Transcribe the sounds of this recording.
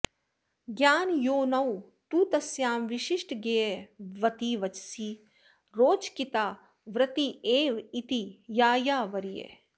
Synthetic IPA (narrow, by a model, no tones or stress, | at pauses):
ɡjaːnjoːnɐw | t̪uːt̪ɐsjaːmʋiʃiʃʈɡejeʋɐt̪iːʋɐt͡ʃsiː | ɾoːt͡ʃkit̪aː | ʋɾɐt̪ieːʋit̪ijaːjaːʋɐɾijḛː